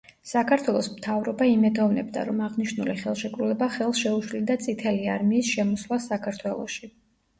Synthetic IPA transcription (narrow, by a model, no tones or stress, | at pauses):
sakʰaɾt̪ʰwɛlˠɔsmt̪ʰavɾɔbaimɛd̪ɔvnɛbd̪a̰ɾɔmaʁniʃnuliχɛlˠʃɛkʼɾulɛbaχɛlˠsʃɛuʃlid̪at̪sʼit̪ʰɛliaɾmiːsʃɛmɔslˠasakʰaɾt̪ʰwɛlˠɔ̰ʃi